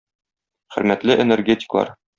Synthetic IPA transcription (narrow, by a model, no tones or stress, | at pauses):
χɘ̆ɾmæt̪lɘʔenerɡʲetʲɪ̥klˠɑ̰ɾ